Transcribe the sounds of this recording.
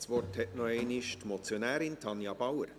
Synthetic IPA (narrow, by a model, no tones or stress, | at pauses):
sʋɔrthɛtnɔeɪnɪʃtmɔt͡sjonæːɾɪntʰɑnjɑb̥awəɾ